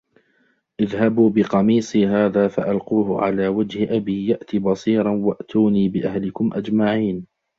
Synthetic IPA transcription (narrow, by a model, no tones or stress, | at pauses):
ʔɪðhabuːbɪqɑmiːsˤiɦaːðaːfa̰ʔalquːɦʊ̰ʕa̰laːwad͡ʒhɪʔabiːjaʔt̪ibɑsˤiːɾˤɑnwaʔt̪uːniːbɪʔahlɪkʊmʔad͡ʒmaʕiːn